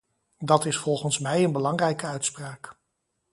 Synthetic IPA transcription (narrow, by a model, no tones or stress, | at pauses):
dɑtɪsfɔlˠχənsmɛjənbəlɑŋrɛjkəœɥtspraːk